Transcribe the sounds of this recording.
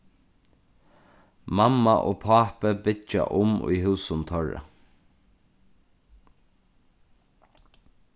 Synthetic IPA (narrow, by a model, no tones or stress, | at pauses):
mamːaʔoːpʰaːpəbɪt͡ʃːa̰ʔʊmʊ̰jɦʉːsʊnt̪ʰœɹə̰